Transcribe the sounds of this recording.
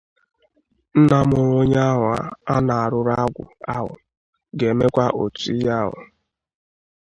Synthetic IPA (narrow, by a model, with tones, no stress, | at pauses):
n̩˦na˦m˦o˨ɾo˦ɲ˦a˦ɦʊ˨a̰˦a˦na˨a˨ɾʊ˦ɾa˦ɡʷʊ̰˨a˦ɦʊ̰˨ | ɡe˨me˦kʷa˦ʔo˨ti˦ja˦ɦʊ̰˨